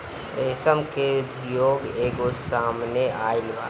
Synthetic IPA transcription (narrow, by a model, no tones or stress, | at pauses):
ɾeːsəmkeʊd̪ʱjoːɡeːɡosaːmneʔaːɪlba̰ː